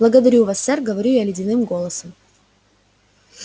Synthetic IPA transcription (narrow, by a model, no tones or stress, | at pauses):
blˠəɡəd̪ɐɾʲuvasːɛrɡəvɐɾʲujalʲɪdʲɪnɨmɡo̞lˠəsəm